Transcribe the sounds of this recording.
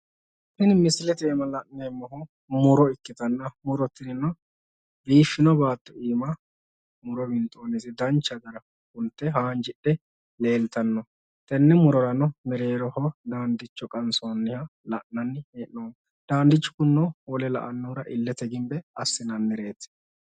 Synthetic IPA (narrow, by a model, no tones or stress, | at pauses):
hɪnmɪslɛt̪eːmɐlɐʔnɛjmːɔɦɔ | mʊɾɔɪkːɪt̪ɐnːɐmʊɾɔt̪ːɪnɪnɔ | biːfːɪnɔbaːt̪ːɔiːmɐ | mʊɾɔbɪnt̪ʼoːnɪsɪd̪ɐnt͡ʃːɐɡ̪ɐɾɐ | hʊnt̪ːɛhaːnd͡ʒɪɗːɛ | le̞ːlt̪ɐnːɔ | t̪ɛnːɛmʊɾɔɾɐnɔmɛɾeːɾɔhɔd̪aːnd̪ɪt͡ʃːɔkʼɐnsonːɪhɐlɐʔɐnːeːʔnoːm | d̪̥aːnd̪ɪt͡ʃːɔ̥kʊnːɔwɔlɛlɐ̰ʔɐnːuːɾɐʔɪlːɛt̪ɛɡɪmbɛɐsːɪnɐnːɛɾe̞ːt̪ɛ̥